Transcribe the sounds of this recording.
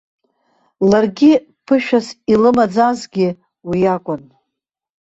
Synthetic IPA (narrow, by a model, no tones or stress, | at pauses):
larɡʲi | pʰɨʃᶣasilɨmad͡zazɡʲɪ | wijakʷʼʊn